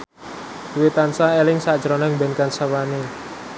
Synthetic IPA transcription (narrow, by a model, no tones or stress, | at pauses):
wet̪ansaelɪŋsaʔdʒ̥əɾonaŋbɛnkansawane